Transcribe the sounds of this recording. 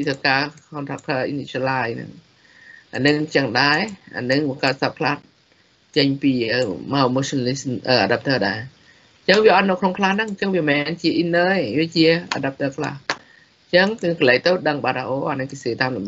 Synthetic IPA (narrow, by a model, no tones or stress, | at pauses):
it̪ʰəkaːhont̪ʰapʰəːʔinislaːjnɨ̰ŋ | ʔa̰nɨŋt͡ɕəŋɗaɛʔa̰ːnɨŋəkaət̪̚sapʰlaːt̪̚ | t͡ɕəɲpiːəːmamosonlisʔəːʔa̰ɗap̚t̪əːɗaɛ | ɲt͡ɕəŋʋiəʔɑt̪̚nowkʰnoŋkʰlahnɨŋɲt͡ɕəŋʋiəmɛnt͡ɕiəʔinːəːeʋiət͡ɕiəʔa̰ɗap̚t̪əːkʰla̰h | ɲt͡ɕəŋkŋkələːŋ̚t̪əwɗəŋɓaːt̪aʔoːʔanɨŋkiseːt̪aːmɗumɗ